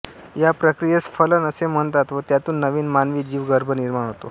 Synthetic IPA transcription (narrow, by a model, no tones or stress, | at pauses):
japɾəkɾijesfələnəsem̤əɳt̪at̪ʋət̪jat̪uːnːəʋiːnmanʋiːd͡ʑiːʋɡəɾbʱəniɾmaɳ̃ɦot̪o̰